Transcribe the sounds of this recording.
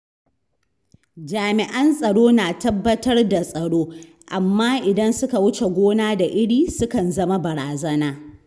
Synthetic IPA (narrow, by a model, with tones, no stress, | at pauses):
d͡ʒaː˨mɪ˨ʔɐ˦nsʼɐ˨ɽoː˦naː˨tɐ˦bːɐ˦tɐ˦rda˨sʼɐ˨ɽoː˦ | ʔa˨mːaː˦ʔɪ˨dɐ˦nsʊ˦ka˨wʊ˦t͡ʃe˨ɡʷoː˦naː˦da˨ʔɪ˦ɽiː˨sʊ˦kɐ˨nzɐ˦ma˦bɐ˨ɽaː˨zɐ˦naː˦